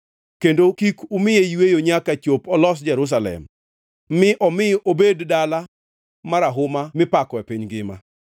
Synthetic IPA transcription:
kendokikumɪjejwejoɲakat͡ʃopɔlɔs̬d͡ʒɛɾus̬alɛ̰mː | ɪʔɔmɪʔobeddala | maɾaɦʊmamɪpakɔɛpiɲɡɪma̰

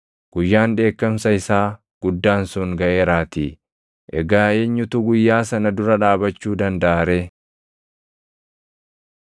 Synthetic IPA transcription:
ɡ̥ʊjːaːnᶑe̞ːkːɐmsɐɪsaː | ɡ̥ʊd̪ːaːnsʊŋɡɐʔe̞ːɾaːt̪i | ʔɛɡaːeːɲːʊt̪ʊɡʊjːaːsɐnɐd̪ʊɾɐᶑaːbɐt͡ʃːuːd̪ɐnd̪ɐʔaːɾe

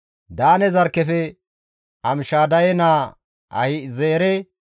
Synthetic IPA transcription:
d̪aːnɛzɐɾkːɛfɛ | ɐmɪʃaːd̪ɐjɛnaː | ɐ̰hɪzeːɾɛ

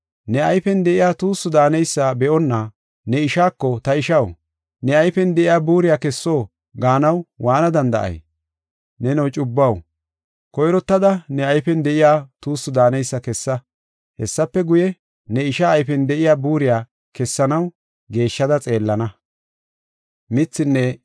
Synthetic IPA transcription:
nɛɐjfɛnd̪ɛʔɪjaːt̪uːsːʊd̪aːnɛjsːabɛʔɔnːɐ | nɛɪʃaːkːɔt̪ɐɪʃɐw | nɛɐjfɛnd̪ɛʔɪjaːbuːɾɪjaːkɛsːo̞ː | ɡaːnɐwwaːnɐd̪ɐnd̪ɐʔɐ̰j | nɛnɐwt͡ʃʼʊbːɐw | kɔjɾɔt̪ːɐd̪ɐnɛɐjfɛnd̪ɛʔɪjaːt̪uːsːʊd̪aːnɛjsːɐkɛsːɐ | hɛsːɐpːɛɡʊjɛ | nɛɪʃaːjfɛnd̪ɛʔɪjaːbuːɾɪjaː | kɛsːɐnɐw | ɡe̞ːʃːɐd̪ɐt͡sʼe̞ːlːɐnɐ | mɪt͡sːɪnːɛ

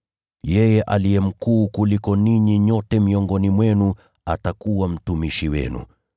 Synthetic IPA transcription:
jɛjɛʔalijɛm̩kuːkulikɔniɲiɲɔtɛmiɔŋɡɔnimwɛnu | a̰takuwam̩tumiʃiwɛ̰nṵ

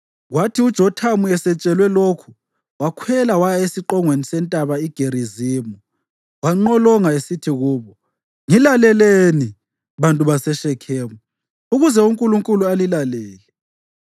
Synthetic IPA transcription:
ɣwatʰiud̥ʒ̥ʱɔtʰamuɛsɛt͡ʃʼɛlwɛlokʰu̥ | wakʰwɛlawajaesiǃɔŋwenisɛntʼaβaiɡ̥ʱeɾiziːmu | waŋ͡ǃɔlɔŋaesitʰiɣuːβɔ | ŋilalɛleni | βantʼuβasɛʃɛkʰɛːmu | uɣuzɛuŋkʼuluŋkʼulualilalɛːlɛ

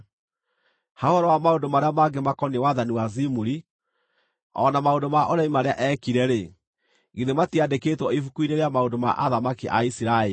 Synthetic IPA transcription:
haohɔɾɔwamaondomaɾeamaɡemakɔniwaðaniwazimuɾi | ɔ̰namaondomaʔoɾaimaɾeaʔɛkiɾɛɾe | ɣiðematiadekeːtwɔifukuineɾeamaondoma̰ʔaðamakiʔa̰isiɾae

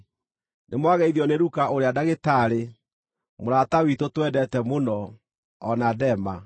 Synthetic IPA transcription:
nemwaɣɛiðiɔneɾukaʔoɾeadaɣetaːɾe | moɾatawitotwɛdɛtɛmonɔ | ɔnadɛma

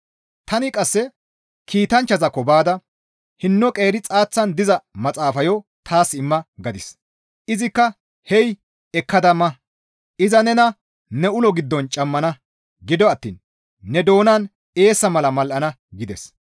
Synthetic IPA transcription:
t̪ɐnɪkʼɐsːɛ | kʰiːt̪ɐnt͡ʃːɐzɐkːɔbaːd̪ɐ | hɪnːɔkʼe̞ːɾɪt͡sʼaːt͡sːɐnd̪ɪzɐmɐt͡sʼaːfɐjɔt̪ʰaːsɪmːɐɡɐd̪ɪs | ʔɪzɪkːɐ | hɛj | ɛkːɐd̪ɐmɐ | ʔɪzɐnɛnɐ | nɛʊlɔɡɪd̪ːɔnt͡ʃʼɐmːɐnɐ | ɡɪd̪ɔɐt̪ːḭːnː | ɛd̪o̞ːnaːn | e̞ːsːɐmɐlɐmɐlʔɐnɐ | ɡɪd̪ɛs

